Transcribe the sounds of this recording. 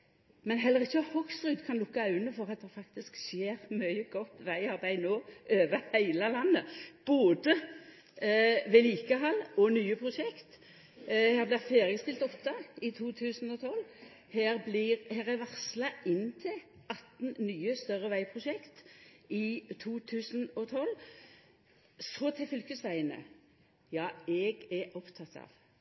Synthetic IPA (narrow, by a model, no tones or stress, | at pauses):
mɛnɦɛlːəʁɪçːəhɔkst̪ʁʉːd̪kʰɑnlʊkːɑʉnəfɔʁɑt̪̚d̪ɛfɑkt̪ɪskseːʁmœʏəɡɔt̪ːʋæɪɑʁbæɪnoːʔøːʋəhæɪlɑlɑnːəb̥oːd̪ə | ʋɛːliːkəɦɑlːɔnyːəpʰɾʊʃɛkt̪ | hæːʁblɪʁfeːʁɪəst̪ɪlt̪ɔt̪ːəɪt̪ʰuːt̪ʰʉːsnɔt̪ʰɔlː | hæːʁblɪʁhæːʁɛʋɑʁslɑɪnːt̪ʰɪl | ʔɑt̪nnyːəst̪œʁːəʋæɪpʰʁʊʃɛkt̪ɪt̪ʰuːt̪ʰʉːsn̩ɔt̪ʰɔlː | sɔt̪ʰɪfʏlkəsʋæɪənə̰ | jɑːɛɡɛɔpt̪ʰɑt̪ɑ̰ːʋ